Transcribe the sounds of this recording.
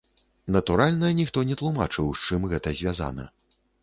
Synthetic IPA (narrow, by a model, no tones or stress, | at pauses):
nɐt̪uɾalʲnɐnʲixt̪ɔnʲɛt̪lˠumat͡ʂɨwst͡ʂɨmɣɛt̪ɐzʲvʲaza̰nɐ̰